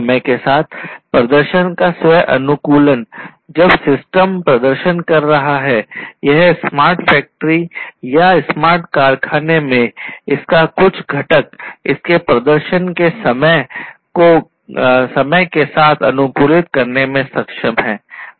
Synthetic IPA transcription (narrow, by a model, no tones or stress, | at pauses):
məkesaːt̪ʰpɾɐd̪əɾʃənkaswəjʔɐnʊkuːlən | d͡ʒɐbsɪsʈəmpɾɐd̪əɾʃənkɐɾːɐɦaɦɛːjɛɦsmaːɾʈfɛːk̚ʈəɾijasmaːɾʈkaːɾkʰaːnemẽɪskakʊt͡ʃʰɡʱɐʈəkɪskepɾɐd̪əɾʃənkesɐməko | sɐməkesaːt̪ʰɐ̰nʊkuːlɪt̪kɐɾnemẽsɐkʃəmɦɛ̰ː